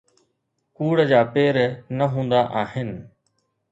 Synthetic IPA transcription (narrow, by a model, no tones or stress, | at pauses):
kuːɽd͡ʑaːpeːɾnəɦũːnd̪aʔaːɦɪnɪ